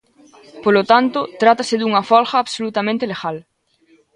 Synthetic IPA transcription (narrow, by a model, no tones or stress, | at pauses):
polot̪ant̪ʊt̪ɾat̪asɪðuŋɐfɔlxɐːβsolut̪amẽnt̪eleɣal